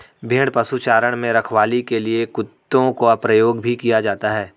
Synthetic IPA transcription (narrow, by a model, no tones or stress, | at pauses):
bʱeːɽpɐsut͡ʃaːɾəɽ̃mẽɾɐkʰʋaːlikeliekʊt̪ːõkoɐpɾɐjoːɡbʱikijad͡ʒaːt̪aɦɛː